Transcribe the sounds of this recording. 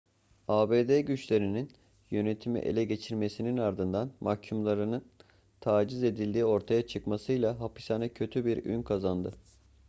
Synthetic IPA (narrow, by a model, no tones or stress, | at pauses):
aːbeːd̪eɟyt͡ʃlʲe̞ɾinin | jø̞ne̞t̪ʰimḭʔḛlʲɛɟe̞t͡ʃʰiɾme̞sininaɾd̪ɯnd̪anmacʰumlˠaɾɯnɯn | t̪ʰaːd͡ʒize̞d̪ilʲd̪iːo̞ɾt̪ʰajat͡ʃʰɯkmasɯjlˠaɦapi̥sanɛcʰø̞t̪ʰybiɾy̰nkʰazand̪ɯ̰